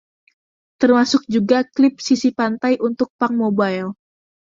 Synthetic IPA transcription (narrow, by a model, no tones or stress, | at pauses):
t̪ərmasʊk̚d͡ʒuɡaklɪp̚sisipant̪ajʔunt̪ʊk̚paŋmobajl